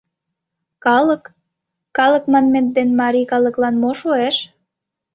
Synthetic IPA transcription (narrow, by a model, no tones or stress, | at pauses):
kɑləkː | ɑləkmɑnment̪̚d̪enmɑɾikɑlə̆klɑnmoʃoeʃ